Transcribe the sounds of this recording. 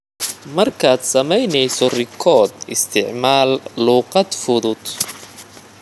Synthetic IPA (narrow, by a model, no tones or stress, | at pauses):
mɐrkʰaːd̪sɐmɛjnɛjsɔrɪkʰɔːd̪ɪ̰st̪ʰɪʕmaːlːuːqɑd̪fʊðʊd̪